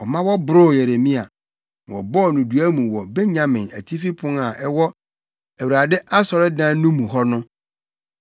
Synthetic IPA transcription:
ɔ˨mã˦wɔ˦bʊ˨ɾʊ˦˨je˨ɾe˨mĩ˦a˨ | ɔ̰˨bɔ˦˨nũ˨du˨æ˦mũ˨wɔ˨be˦ɲã˨mɪ̃˨næ˨tʰi˦fi˦pʰʊ̃˦na˨ʔɛ˦wɔ˦ | æ˨wu˨ɾa˨dɪ˦ʔa˦sɔ˨ɾɪ˦dã˦nũ˦mũ˨ɦɔ˦nʊ̃˦

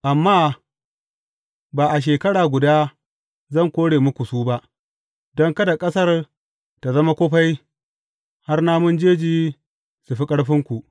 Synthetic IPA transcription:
ʔa˨mːaː˦ | baː˨ʔa˨ʃ̬eː˨kɐ˦ɽaː˨ɡʷʊ˨daː˦ | zɐ˦˨ŋkʷoː˦ɽeː˨mʊ˦kʷu˨suː˦ba˦ʔ | dɔ˦ŋkɐ˦da˨kʼɐ˦sɐ˦r | ta˨zɐ˦ma˦kʷoː˦ɸa˦j | ha˦rnaː˦mʊ˦nd͡ʒeː˦d͡ʒiː˨˦ | su˨ɸi˦kʼɐ˦ɽɸɪ˦ŋkʷu˨ʔ

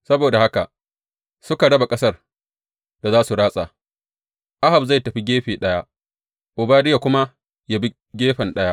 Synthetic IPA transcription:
sɐ˦boː˨da˨ha˦ka̰˨ | sʊ˦ka˨ɽɐ˦ba˨kʼɐ˦sɐ˦r | d̥a˨zaː˦su˨ɽaː˦sʼa˨ | ʔa˦ha˨bza˦˨jtɐ˨ɸi˦ɡʲeː˦ɸeː˨ɗɐ˦ja˦ | ʔʊ˨baː˦dɪ˦ja˨kʷʊ˦ma˦ | ja˦bi˦ | ɡʲeː˦ɸɐ˨nɗɐ˦ja˦ʔ

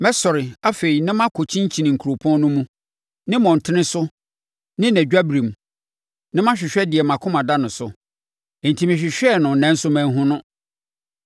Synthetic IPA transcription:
mɛ˦sɔ˨ɾɪ˨a˦fe˨i˨nɪ̃˦mã˦kʰo˨t͡ɕʰĩ˦ɲ˦t͡ɕʰĩ˨nɪ̃˨ŋ̩˨kʰu˨ɾo˨pʰɔ̃˦n˦nʊ̃˦mũ˦ | nɪ̃˦mɔ̃˨n̩˨tʰɪ˦nɪ̃˦sʊ˦ | nɪ̃˦næ̃˨d͡ʑᶣa˦bɾĩ˨m˨ | nɪ̃˦mã˦ɕᶣɪ˨ɕᶣɛ˦dɪ˨ɛ˨mã˨kʰʊ̃˦mã˨da˦nʊ̃˨sʊ˨ | n̩˨tʰi˨mɪ̃˨ɕᶣɪ˨ɕᶣɛ˦nʊ̃˨n̩˨nɛ̃˨˦n̩˦sʊ˦mæ̃˦˨n˦ɦʊ̃˦nʊ̃˦

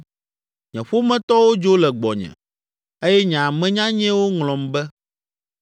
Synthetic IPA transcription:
ɲɛ̰̃˨ɸo˦mɛ̃˦t̪ɔ˦wo˦d͡ʒo˦lɛ˨ɡ͡bɔ˨ɲɛ̰̃˨ | e˦jɛ˦ɲã˨mɛ̃˦ɲã˦ɲɛ̃˦wo˦ŋlɔ̃˨mbɛ˦

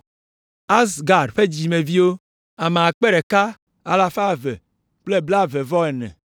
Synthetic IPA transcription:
a˦sɡa˨ɖɸe˦d͡ʑi˨me˨vi˦wo˦ | a˨me˨a˨k͡pe˦ɾe˨ka˦ | a˨la˦fa˦vḛ˨ | k͡ple˦bla˦ve˨vɔ˦ɛ˨nɛ̰˨

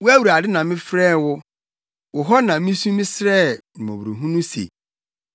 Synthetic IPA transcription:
wʊ˦æ˦wu˨ɾa˨dɪ˦nã˨mɪ̃˦fɾɛː˦wʊ˦ | wʊ˨ɦɔ˦nã˨mĩ˦sũ˦mĩ˦sɾɛ˦˨ñ˨mõ̰˨wɾo˨ɦũ˦nũ˦sḛ˨

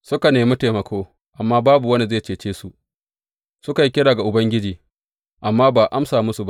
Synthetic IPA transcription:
sʊ˦ka˨neː˨mi˦teː˨mɐ˨kʰoː˦ | ʔa˨mːaː˦baː˦bu˨wɐ˦ni˨zeː˦˨t͡ʃeː˨t͡ʃeː˦su˨ʔ | sʊ˦ka˨ji˦kʲɪ˦ɽaː˨ɡa˨ʔʊ˨bɐ˦ŋɡʲɪ˦d͡ʒiː˨ | ʔa˨mːaː˦baː˨ʔa˦msaː˨mʊ˦su˨ba˦

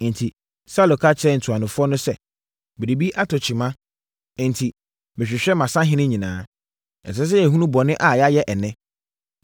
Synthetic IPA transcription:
n̩˨tʰi˨ | sa˦lo˨kʰa˦t͡ɕʰɛ˦n̩˨tʰu˨a˨nʊ̃˨fʊ˦ɔ˦nʊ̃˦sɛ˦ | bɪ˨ɾi˨bi˦ʔa˦tʰɔ˨t͡ɕʰi˨mã˦˨ | n̩˨tʰi˨ | mɪ̃˨ɕᶣɪ˨ɕᶣɛ˦mã˨sã˦ɦɪ̃˦nɪ̃˦ɲĩ˨nãː˨˦ | ɛ̰˨s̬ɛ˦s̬ɛ˦ɛ˨ɦũ˦nũ˦bɔ˨nɪ̃˦ʔa˨jɛ˦a˦jɛ˦ʔɛ˨nɪ̃˦

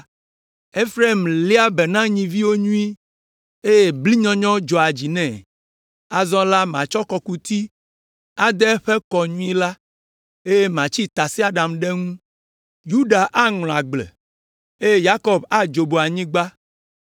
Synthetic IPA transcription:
e˦fɾe˦˨mli˦a˦bɛ˨nã˦ɲĩ˨vi˦wo˦ɲũ˦i˦ | e˦je˦bli˦ɲɔ̃˦ɲɔ̃˦d͡ʒɔ˨a˨d͡ʑi˨nɛ̃˨ | a˨zɔ̃˦la˦m˨ã˨t͡ʃɔ˦kɔ˨ku˦t̪i˦ | a˨d̪ɛ˦ɸɛ˦kɔ˨ɲũ˦i˦la˦ | e˦je˦mã˨t͡ɕi˦t̪a˨si˦a˨ɖã˨mɖɛ˦ŋũ˦ | ju˦ɖa˨ʔa˦ŋl̃ɔ̃˨a˨ɡ͡blɛ̰˨ | e˦je˦ja˦kɔ˦ba˦d͡ʒo˨bo˨a˨ɲĩ˦ɡ͡ba˦

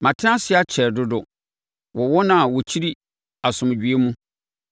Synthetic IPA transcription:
mã˨tʰɪ̃˦a˦sɪ˦a˦t͡ɕʰɛ˨ɾdʊ˦dʊ˨ | wɔ˨wɔ˦nã˨wɔ˨t͡ɕʰi˦ɾi˦ | a˨sʊ̃˨m˨d͡ʑᶣi˨e˦mũ˦

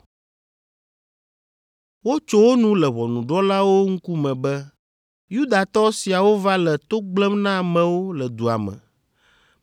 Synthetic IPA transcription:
wo˦t͡ʃo˦wo˦nũ˦lɛ˨βɔ˨nũ˨ɖɔ˦la˦wo˦ŋ̩˦ku˦mɛ̃˨bɛ˦ | ju˦d̪a˨t̪ɔ˦si˨a˨wo˦va˦lɛ˨t̪o˦ɡ͡blɛ˦mnã˦˨mɛ̃˨wo˦lɛ˨d̪u˨a̰˨mɛ̰̃˨

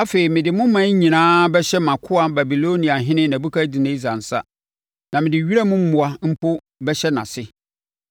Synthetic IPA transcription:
a˦fe˨i˨mɪ̃˨dɪ˨mʊ̃˦mã˦ɲĩ˨nãː˦bɛ˦ɕɛ˦mã˨kʰʊ˦a˦ba˨bi˨lo˦nĩ˨a˨ɦɪ̃˦nɪ̃˦næ˨bu˦kʰa˦di˨nɪ̃˦zã˨n̩˨sa̰˦ | nã˨mɪ̃˨dɪ˨ɥi˦ɾa˦mʊ̃˦m̩˦mʊ̃˨a˨m̩˦pʰo˦ | bɛ˦ɕɛ˦nã̰˨sɪ˦

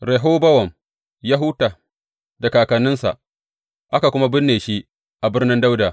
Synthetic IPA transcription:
ɾe˨ɦoː˦bɐ˦wɐ˨m | ja˦ɦʊ˦taː˨ | da˨kaː˨kɐ˨nːɪ˦nsa̰˨ʔ | ʔa˦ka˨kʷʊ˦ma˦bɪ˦nːeː˨ʃi˦ʔ | ʔa˨bɪ˦rnɪ˦nda˦wdaː˨

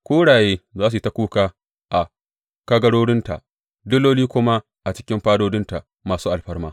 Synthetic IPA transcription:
kʷoː˦ɽaː˨jeː˦zaː˦s̬u˨˦ta˦kʷuː˦kaː˦ | ʔa˨ | ka˦ɡɐ˦ɽoː˦ɽɪ˦nta˨ʔ | dʊ˦lːoː˦liː˦kʷʊ˦ma˦ | ʔa˨t͡ʃɪ̥˦kʲɪ˦mɸaː˦doː˦dɪ˦nta˨ | maː˨suː˦ʔa˨lɸɐ˦rmaː˦

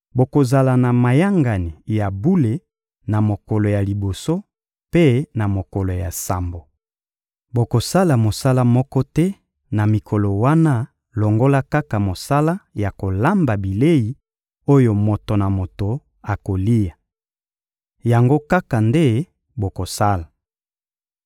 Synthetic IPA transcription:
bo˨ko˨za˨la˨na˨ma˨ja˦ŋɡa˨ni˨ja˨bu˦le˨ | na˨mo˨kɔ˨lo˨ja˨li˨bo˨so˦ | pe˦na˨mo˨ko˨lo˨ja˨sa˨mbo˨ | bo˨ko˨sa˦la˨mo˨sa˦la˦mɔ˦kɔ˦tɛ˦ | na˨mi˨kʰo˨lɔ˨wa˦na˦ | lo˨ŋɡo˦la˦ka˦ka˨mo˨sa˦la˦ja˨ko˨la˦mba˨bi˨le˦ji˨ | o˦jo˨mo˨to˨na˨mo˨to˨ | a˨ko˨li˦ja˨ | ja˨ŋɡo˦ka˦ka˨nde˦ | bo˨ko˨sa˦la˨

